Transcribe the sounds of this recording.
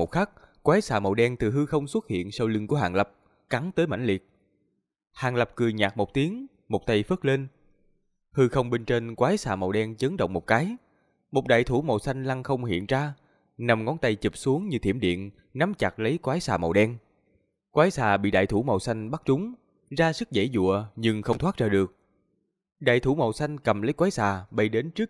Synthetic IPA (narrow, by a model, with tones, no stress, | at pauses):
mo˨˩xaː˦˥k̚kwaː˨˦jsaː˨˩mə˨˩wɗɛ˧ŋt̪ɨ˨˩ɦɨ˧xə˧wŋ͡mswə˦˥t̚hḭ˧˨ənsa˧wlɨ˧ŋku˧˩əɦa̰ː˨˩ŋlə˨˩p̚ | ka˨˦ŋt̪əː˨˦jma̰˧˩ŋ̟lḭ˨˩ət̚ | haː˨˩nlə˨˩p̚kɨ˨˩əjɲaː˨˩k̚mo˨˩k͡p̚t̪i˨˦əŋ | mo˨˩k͡p̚t̪a˧jfə˦˥k̚le˧n | hɨ˧xə˧wŋ͡mɓe˧nt͡ɕe˧nkwaː˨˦jsaː˨˩mə˨˩wɗɛ˧nt͡ɕə˨˦ŋɗə̰˧˨ŋ͡mmo˨˩k͡p̚kaː˨˦j | mo˨˩k͡p̚ɗa̰ː˧˨jt̪ʰu˧˩mə˨˩wsa˧jŋ̟la˧ŋxə˧wŋ͡mhḭ˧˨ənzaː˧ | na˧˩mŋɔ˨˦nt̪a˧jt͡ɕi˨˩p̚su˨˦əŋɲɨ˧t̪ʰḭ˧˩əmɗḭ˧˨ən | na˨˦mt͡ɕa˨˩k̚lə˨˦jkwaː˨˦jsaː˨˩mə̰˨˩wɗɛ˧n | kwaː˨˦jsaː˨˩ɓḭ˧˨ɗa̰ː˧˨jt̪u˧˩mə˨˩wsa˧jŋ̟ɓa˦˥t̚t͡ɕʊ˨˦ŋ͡m | zaː˧sɨ˦˥k̚zə̰˧˩jzṵ˧˨əɲɨ˧ŋxə˧wŋ͡mt̪waː˦˥t̚zəː˧˨˩ɗɨ˨˩ək̚ | ɗa̰ː˧˨jt̪ʰu˧˩˦mə˨˩wsa˧jŋ̟kə˨˩mlə˨˦jkwaː˨˦jsaː˨˩ɓə˧jɗe˨˦nt͡ɕɨ˦˥ək̚